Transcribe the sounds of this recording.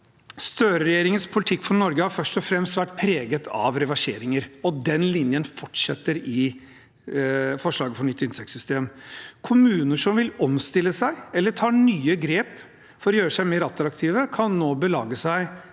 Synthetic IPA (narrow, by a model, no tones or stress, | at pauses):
st̪øːɾəɾɛjeːɾɪŋənspʰʊlɪt̪ʰɪkːfɔnɔɾɡəhɑɾfœʂʈɔfɾɛmst̪ʋæʈːpʰɾeːɡət̪ʰɑʋɾɛʋɑʂeːɾɪŋəɾɔd̪ɛnlɪnjənfɔʈːʂɛt̪ːəɾɪ | fɔʂlɑːɡəfɔɳʏt̪ːɪnsɛkt̪sʏst̪eːmkʰʊmʉːnəʂɔmʋɪlɔmst̪ɪlːəsæɪɛlːəʈʰɑːɳyːəɡɾeːp | fɔɾɔjøːɾəsæɪmeːɾɑt̪ːɾɑkt̪ʰiːʋəkʰɑnːoːbəlɑ̰ːɡəsæɪ